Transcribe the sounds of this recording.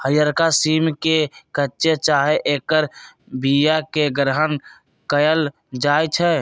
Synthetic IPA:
həjəɾkasiːmkekəːt͡ʃet͡ʃaːɦeʔeːkəɾ | bijakeɡɾəɦən | kəjəl | d͡ʒaːjt͡ʃʰɛ

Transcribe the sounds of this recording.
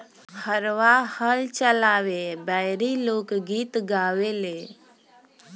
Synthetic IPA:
həɾʋahəlt͡ʃəlaːwebəɪɾiloːkɡiːt̪ɡaːweleː

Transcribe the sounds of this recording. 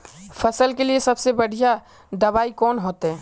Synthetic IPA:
fʰɐsəlkeliesɐbsebɐɽ̤ija | d̪ɐbaːikɔːnɦoːt̪ɦɛ̃ː

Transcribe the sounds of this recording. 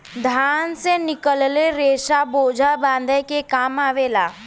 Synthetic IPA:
d̪ʱjaːnsenɪkəlleɾeːʃaboːd͡ʒʱabãːnd̪ʱəkekaːmaːʋeːlaː

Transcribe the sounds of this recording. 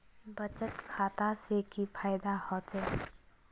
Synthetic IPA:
bət͡ʃət̪kʰaːt̪asekifʰaːɪd̪ahɔːt͡ʃe

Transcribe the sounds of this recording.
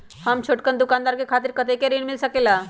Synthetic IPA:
hamt͡ɕʰoʈkənd̪ukand̪aɾkekʰat̪iːɾkət̪ekeɾiɳ̃milsəkela

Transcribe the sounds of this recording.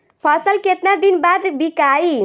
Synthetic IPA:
pʰʌsəlket̪nad̪inbad̪bikai

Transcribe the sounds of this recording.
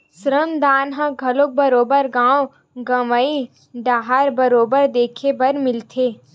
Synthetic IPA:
sɾəmd̪aːnɦãɡʱɐlok̚bɐɾoːbəɾɡãːw | ɡɐʋəi | ɖaːɦaːɾbɐɾoːbəɾd̪eːkʰebɐɾmɪlt̪ʰeː

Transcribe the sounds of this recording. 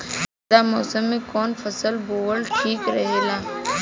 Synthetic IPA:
damɔːsəmːẽkɔːnfʰɐsəlboːəlʈʰiːkɾɐɦeːlaː

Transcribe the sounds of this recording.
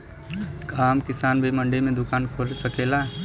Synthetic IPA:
kaːmkɪsaːnbʱemɐ̃ɳɖemẽd̪ʊkaːnkʰosɐkeːla

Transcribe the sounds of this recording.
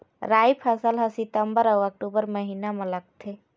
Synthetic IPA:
ɾajpʰəsəlɦəsit̪əmbəɾəək̚ʈubəɾməɦinamẽləɡ̚t̪ʰe

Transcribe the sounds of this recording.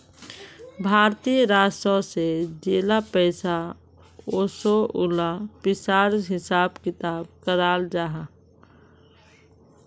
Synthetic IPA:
bʱaːɾt̪iəɾaːsəsed͡ʒeːlapɛːsa | oːsoʊlapɪsaːɾɦɪsaːbkɪt̪aːb̚kəɾaːld͡ʒaːɦa

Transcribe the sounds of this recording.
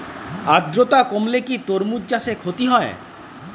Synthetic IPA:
ad̪ɾot̪akomlekit̪oɾmud͡ʑasekʰot̪iɦɔe

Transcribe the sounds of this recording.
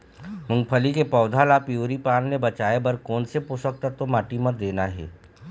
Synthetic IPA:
mʊ̃ŋpʰəlikepɔːd̪ʱaːlapijuːɾipaːnːebɐt͡ʃaːebɐɾkɔːnsepusək̚t̪at̪omaːʈimət̪̚d̪eːnaɦɛ̰ː

